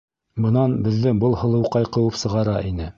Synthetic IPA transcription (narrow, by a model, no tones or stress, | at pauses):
bɤ̆nɑnbɘ̆ðːɘŋbɤlˠhɤ̆lˠɤ̆wqɑjqɤ̆wɤpsɤ̆ʁɑɾɑʔinɘ